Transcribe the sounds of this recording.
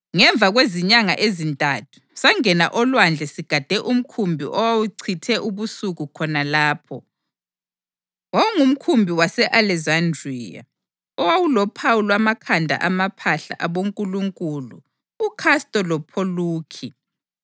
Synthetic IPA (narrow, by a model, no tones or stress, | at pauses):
ŋɛɱb̪vʱaɣweziɲaŋa̰ʔezintʼatʰu̥saŋɛna̰ʔɔlwand͡ɮʱɛsiɡ̥ʱad̥ʱɛʔum̩kʰumbʱḭʔɔwawuǀʰitʰɛʔuβusuɣukʰɔnalaːpʰɔ | wawuŋum̩kʰumbʱiwasɛʔalɛzandriːja̰ | ɔwawulɔpʰawulwamakʰandʱa̰ʔamapʰaɬa̰ʔaβoŋkʼuluŋkʼulṵː | kʰastʼɔlɔpʰoluːkʰi